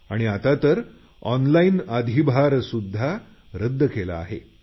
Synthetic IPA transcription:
a̰ɽ̃iat̪at̪əɾ | ɔnlainad̪ʱibʱaɾsud̪ʱːa | ɾəd̪ʱːəkela̰ːɦḛ

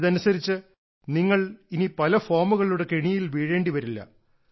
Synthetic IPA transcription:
ðɐnusɐɾit͡ɕːɨ | niŋːɐɭinipɐlɐfo̞ːrmuɣɐɭuɽe̞keɳijilʋiːɻe̞ːɳɖiʋɐɾilːɐ̰

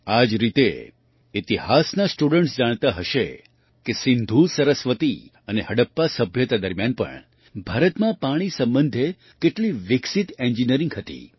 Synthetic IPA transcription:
ad͡ʒɾit̪e | it̪ihasnasʈuɽəɳʈsd͡ʒaɽ̃t̪aɦəʃe | kesɪnd̪ʱusəɾəsʋət̪i | ənehəɽəpːasəbʱjət̪ad̪əɾmjanpə̰ɳ | bʱaɾət̪mãpaɽ̃isə̃mbənd̪ʱe | keʈliʋɪksit̪end͡ʒiniəɾĩŋɡɦət̪ḭ

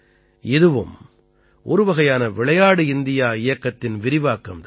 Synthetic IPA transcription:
ʔɛðɯʋɯ̰m | ʔɔɾɯʋɐɣɐjaːnɐʋɪɭɐjaːɽɯɪnd̪ɪjaːɪjɐkːɐt̪ːɪnʋɪɾɪʋaːkːɐmt̪

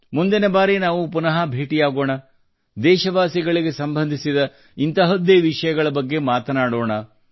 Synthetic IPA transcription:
mund̪inɐbaːɾinaːʋupunɐɦɐbʱeːʈijaːɡoːɳɐ | d̪ɛːʃɐʋaːsiɡɐɭiɡe̞sɐmbʱɐnd̪ʱisid̪ɐ | int̪ɐɦɐd̪eːʋiʂɐjɐɡɐɭɐbɐɡːe̞maːt̪ɐnaːɽoːɳɐ

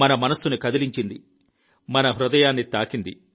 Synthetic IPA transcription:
ɐnɐmɐnɐsːunikɐd̪iliɲt͡ʃind̪i | mɐnɐɦɾud̪ɐjaːnːit̪aːkind̪ḭ

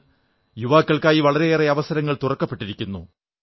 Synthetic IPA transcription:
juʋaːkːɐɭkaːjiʋɐɭɐɾe̞eːreɐʋɐsɐɾɐŋːɐɭt̪urɐkːɐpːe̞ʈːiɾikʲːunːṵ

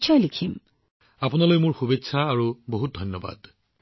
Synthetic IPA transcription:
t͡ʃʰɔjlikʰim | apunalojmʊɹxubetːsʰaːɹuboɦut̚dʱɔjnːɔba̰d

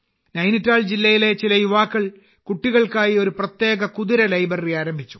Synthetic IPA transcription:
nɐjnitːaːɭd͡ʑilːɐjile̞t͡ɕilɐjuʋaːkːɐɭ | kuʈːiɣɐɭkaːjio̞ɾuprɐt̪je̞ːɡɐkuðiɾɐlɐjbɐriaːɾɐmbʱit͡ɕːu̥

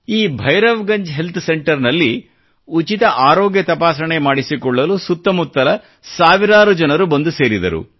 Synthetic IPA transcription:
iːbʱɐjɾɐʋɡɐɲd͡ʒɦe̞lt̪ʰse̞ɳʈɐɾnɐlːi | ut͡ʃit̪ɐʔaːɾoːɡjɐt̪ɐpaːsɐɳemaːɽisikɔɭːɐlusut̪ːɐmut̪ːɐlɐ | saːʋiɾaːɾud͡ʒɐnɐɾubɐnd̪use̞ːɾid̪ɐ̰ɾṵ

